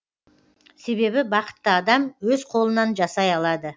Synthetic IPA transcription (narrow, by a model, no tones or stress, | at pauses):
se̞βe̞bɪbɑqə̥t̪ːəɑd̪ɑmwɵz̥qʰo̞lˠənɑnʒɑsɑjɑlˠɑd̪ə